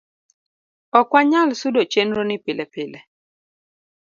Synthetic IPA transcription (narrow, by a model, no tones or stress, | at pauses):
ɔkwaɲalsʊdot͡ʃenɾonɪpɪlɛpɪlɛ